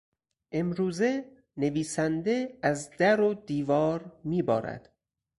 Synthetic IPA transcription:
ʔe̞mɾuːze̞ | ne̞viːsænd̪e̞æzd̪̥æɾod̪iːvɒːɾmiːbɒːɾæ̰d̪̥

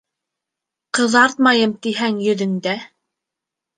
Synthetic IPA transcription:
qɤ̆ðɑɾt̪̚mɑjɤmt̪iɦæŋjɵ̆ðɘ̆ŋd̪æ

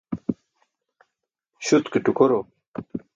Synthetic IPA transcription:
ɕut̪kiʈukoɾo

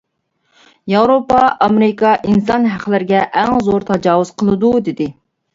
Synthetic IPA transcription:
jɑwɾopɑʔɑmeɾɪkɑʔinsɑnɦæχlɪɾɪɡʲɛʔæŋzoɾt̪ʰɑd͡ʒɑːwuz̥qʰəlˠɨd̪ud̪ɪd̪ɪ

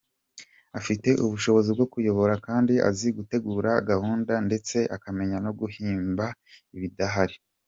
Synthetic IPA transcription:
afite̞ʔuβuʃo̞βo̞zibɡo̞kujo̞βo̞ɾakaːndiʔa̰ziɡute̞ɡuːɾaɡahuːndande̞t͡se̞ʔakame̞ɲano̞ɡuhiːmbaiβidaɦaɾi

